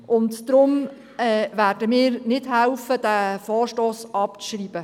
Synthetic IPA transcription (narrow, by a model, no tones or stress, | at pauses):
ʔʊntd̥̪ɾʊm | ɛːvæːrdəmɪːɾnɪdɦɛlfəd̥æfɔːrʃtoːsɑpt͡sʃriːb̥ə